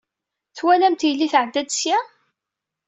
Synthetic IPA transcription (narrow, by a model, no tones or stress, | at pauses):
θwælæmt̪jlːiθʕəd̪ːæd̪sjæ